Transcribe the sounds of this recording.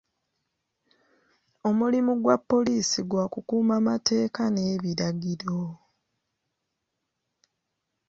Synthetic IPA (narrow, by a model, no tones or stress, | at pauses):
o̞mulimuɡwapːo̞liːsiɡwaːkukuːmamate̞ːkane̞ːβiɾaɡiɾo̞